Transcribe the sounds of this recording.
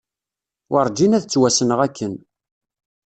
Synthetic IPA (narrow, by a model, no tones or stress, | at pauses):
wəɾˤd͡ʒinæðət͡sːwæsənəʁækʰːən